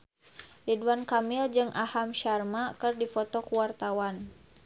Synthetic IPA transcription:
diduankamɪld͡ʒɨŋʔahamʃarmakɨrdifɔt̪ɔkuwart̪awan

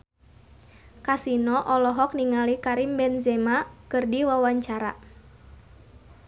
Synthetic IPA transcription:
kasinɔʔɔlɔɦɔk̚niŋalikaɾimbɛnzɛmakɨrdiwawaɲt͡ʃaɾa̰

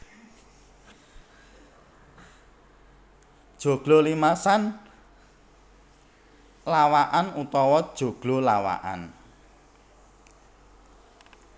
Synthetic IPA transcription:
d̥ʒ̥o̤ɡ̥lolimasan | lawaʔanut̪ɔwɔd̥ʒ̥o̤ɡ̥lolawa̰ʔa̰n

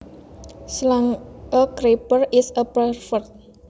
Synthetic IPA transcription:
slaŋʔəkɾepərɪsəpərfərt̪̚

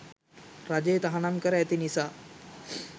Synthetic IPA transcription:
ɾad͡ʒejt̪aɦanamkəɾəet̪inisaː

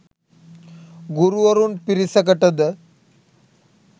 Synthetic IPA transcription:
ɡuɾuʋəɾuːnpiɾisək̬əʈəd̪ə

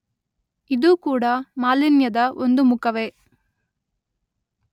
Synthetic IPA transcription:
id̪uːkuːɽɐmaːlinjɐd̪ɐʔond̪umukɐʋe

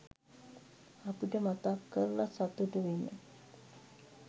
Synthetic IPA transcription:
apiʈəmat̪akːəɾlasat̪uʈəʋenːə̰

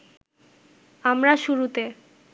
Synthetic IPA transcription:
amɾaʃuɾut̪e

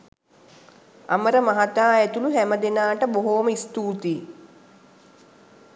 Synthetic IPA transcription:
a̰məɾəmaɦat̪aːæt̪uluɦæməd̪enaːʈəboɦoːməist̪uːt̪iː

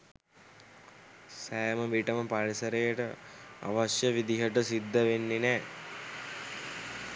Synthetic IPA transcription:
sajməʋiʈəməpaɾisəɾejəʈəa̰ʋasjəʋid̪iɦəʈəsid̪ːəʋenːenɛː

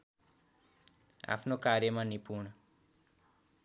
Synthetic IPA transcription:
a̰pʰnokaɾjəmãnipuɳ

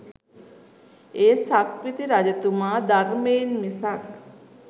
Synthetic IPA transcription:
eːsakʋit̪iɾad͡ʑɐt̪umaːd̪aɾmeːnmisak

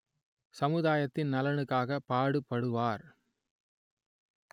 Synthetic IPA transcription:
sɐmɯðaːjɐt̪ːɪnnɐlɐɳɯkːaːɣɐpaːɽɯpːɐɽɯʋaːɾ

